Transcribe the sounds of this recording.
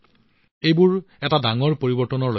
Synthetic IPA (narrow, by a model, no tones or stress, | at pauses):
ejbʊɹ | ɛtadaŋɔɹpoɹibɔɹtɔnɔɹlo